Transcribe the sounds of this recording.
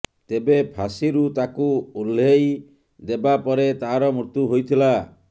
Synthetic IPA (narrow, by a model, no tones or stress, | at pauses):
t̪ebepʰasiɾut̪akuulːej | d̪ebapɔɾet̪aɦɾɔmut̪uɦojt̪ʰila